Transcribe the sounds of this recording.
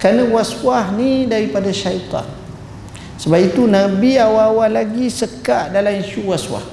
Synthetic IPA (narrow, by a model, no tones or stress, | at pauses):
kɾanə̃waswahnidaɾipadaʃajt̪ˤɑ̰n | səbapit̪unãbiawawalaɡisəkaʔdalaminsuwaswa̰h